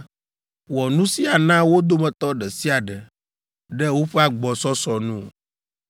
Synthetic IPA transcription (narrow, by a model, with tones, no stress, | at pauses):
wɔ˨nũ˦si˦a˨nã˦wo˦d̪o˦mɛ̃˨t̪ɔ˦ɖɛ˨si˦a˨ɖɛ˨ | ɖɛ˦wo˦ɸɛ˦a˦˨ɡ͡bɔ˨sɔ˦sɔ˨nṵ̃˦˨